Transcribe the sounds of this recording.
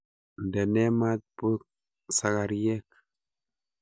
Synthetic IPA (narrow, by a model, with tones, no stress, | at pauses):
nde˨ne˦ma˦t̪̚pə˦k̚ | sa˨ɡa˨ɾje˦k̚